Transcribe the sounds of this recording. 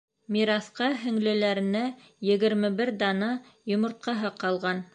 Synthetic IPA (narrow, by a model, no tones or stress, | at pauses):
mʲiɾɑθqɑɦɘ̆ŋlɘ̆læɾɘ̆næ | jɘ̆ɡɘ̆ɾmɘbɘɾd̪ɑnɑ | jŏmŏɾt̪̚qɑɦɤqɑlˠʁɑn